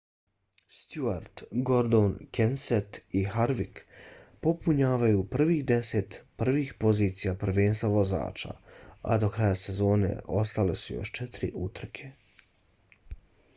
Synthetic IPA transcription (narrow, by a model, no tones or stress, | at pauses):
st̪juaɾt̪ɡo̞ɾd̪onkenset̪ihaɾʋikpo̞puɲaːʋajupr̩ʋiːxd̪eset̪pr̩ʋiːxpo̞ziːt̪sijapr̩ʋeːnst̪vaʋo̞za̰ːt͡ʃa̰a̰d̪o̞kɾajase̞zo̞ːne̞̰ʔo̞st̪ale̞sujo̰ʃt͡ʃɛt̪ɾḭʔut̪r̩kʰe